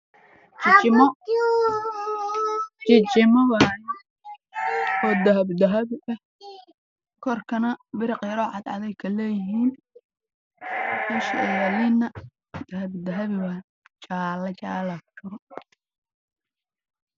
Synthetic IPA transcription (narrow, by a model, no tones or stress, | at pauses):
t͡ʃɪt͡ʃɪmɔ | t͡ʃɪt͡ʃɪmɐβaj | ɔːd̪ɐɦɐbd̪ɐɦɐβɪʔɐh | kʰɔrkʰɐnɐbɪɾɪqɾɔːʕɑ̰d̪ʕɑ̰ðɛjkʰɐlɛːjɪɦiːn | ɐʃɛlɪnɐ | d̪̥ɐɦɐbd̪ɐɦɐβɪβɐ | t͡ʃaːlɐt͡ʃaːlakʰɐɾɔ